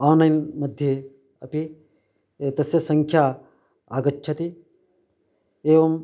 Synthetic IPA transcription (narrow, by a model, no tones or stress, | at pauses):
aːnɐjnmɐd̪ʱje | ɐpi | t̪ɐsjɐsɐŋkʰjaː | aːɡɐtːt͡ʃʰɐt̪i | eːʋɐm